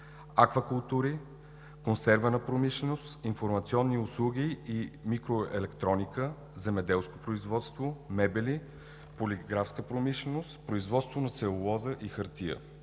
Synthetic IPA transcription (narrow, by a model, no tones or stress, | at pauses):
akvəkʊlˠt̪uɾi | konsɛɾvənəpɾomiʃlɛnost̪infoɾmɐt̪siɔnːiʊslˠuɡʲiːmikɾoɛ̰lɛkt̪ɾɔnikə | zɛmɛd̪ɛlˠsko̥pɾoizvɔt̪st̪vomɛbɛli | polʲiɡɾafskəpɾomiʃlɛnost̪pɾoizvɔt̪st̪vonɐt̪sɛʊlˠɔzəʔixəɾt̪iə̰